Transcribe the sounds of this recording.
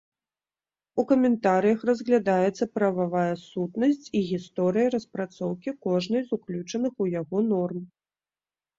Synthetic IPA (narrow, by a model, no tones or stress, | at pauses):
ukɐmʲɛnt̪aɾɨjɐxrɐzɣlʲad̪ajɛt̪sːɐpɾɐvavajasut̪nɐsʲt͡sʲiɣʲist̪ɔɾɨjɐɾɐspɾat̪sɔwkʲikɔʐnɐjzuklʲut͡ʂɐnɨxujaɣɔnɔrm